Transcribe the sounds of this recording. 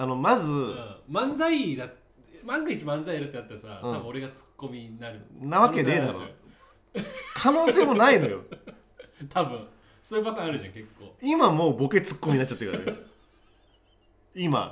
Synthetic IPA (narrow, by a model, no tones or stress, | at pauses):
ano̞mazɨɯ̃mãnd͡zaid̪a | mãŋɡɯit͡ɕimãnd͡zaijaɾɯ̟t̪ːeat̪ːaɾasa̰tɯ̃abɯ̟̃o̞ɾe̞ɡat͡sɨ̥kːo̞mʲinaɾɯnaβake̞d̪ed̪aɾo̰ | kʰano̞ːse̞ːmo̞naino̞jo̞̰ | t̪ʰabɯ̟̃ | soːjɯbat̪ãaɾɯ̟ʑãŋke̞kːo̰ːimamo̞ːbo̞ket͡sɨ̥kːomiɲinat͡ɕːat̪ːeka̰ɾ̰j | ima̰